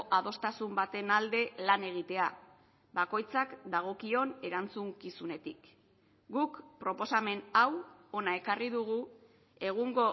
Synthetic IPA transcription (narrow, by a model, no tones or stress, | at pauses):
ʔaðo̞st̪asumbat̪e̞nald̪e̞lane̞ɣ̞it̪e̞a | bako̞jt͡sakd̪aɣ̞o̞kio̞ne̞ɾant͡suŋkisune̞t̪ik | ɡukpɾo̞po̞same̞nawo̞nae̞kariðuɣu | e̞ɣ̞uŋɡo̞